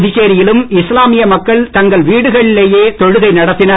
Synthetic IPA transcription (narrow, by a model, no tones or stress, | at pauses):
ðɪt͡ʃeːɾɪjɪlɯmɪslaːmɪjɐmɐkːɐɭt̪ɐŋɡɐɭʋiːɽɯɣɐɭɪleːjeːt̪ɔɻɯɣɐɪnɐɽɐt̪ːɪnɐ